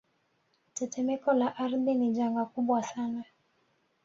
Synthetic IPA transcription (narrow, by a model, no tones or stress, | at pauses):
tɛtɛmɛkɔlaʔaɾðiniʄaŋɡakuɓwasana